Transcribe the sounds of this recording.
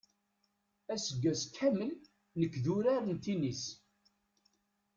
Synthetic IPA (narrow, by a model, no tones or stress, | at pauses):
æsəɡːæskʰæməl | nəkːðuɾaɾənt̪inis